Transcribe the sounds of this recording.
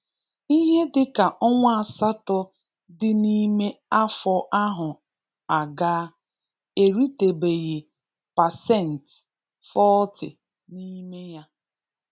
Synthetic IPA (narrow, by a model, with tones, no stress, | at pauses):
i˦ɦe˦dɪ˦ka˨ʔɔ˦ŋʷa˦a˨sa˦tɔ˦ | dɪ˦ni˦me˦a˦fɔ˦ʔa˦ɦʊ˨ | a˨ɡaː˦ | e˨ɾi˦te˨be˨ɣe˨ | pa˨sɛ˦˨n̩˨t | fɔ˦tɪ̰˨ | ni˦me˦ja˦